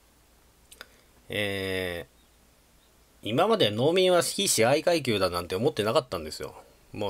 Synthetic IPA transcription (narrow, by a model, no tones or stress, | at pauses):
eː | imamad̪e̞no̞ːmʲĩɰ̃βaɕi̥kʲiɕiaikaik̬ʲɨːd̪anãnt̪e̞omo̞t̪ːe̞nakat̪ːãnd̪e̞sɨjo̰ | moː